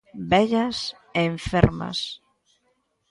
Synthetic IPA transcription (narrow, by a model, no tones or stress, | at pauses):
bɛʎɐs | eːɱfeɾmɐ̰s